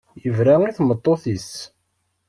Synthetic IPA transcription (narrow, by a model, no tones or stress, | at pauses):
jəvɾæiθmət̪ˤːoθis